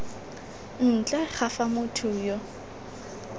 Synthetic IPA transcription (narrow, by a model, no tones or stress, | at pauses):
n̩t͡ɬʼɛχafamʊtʰʊjo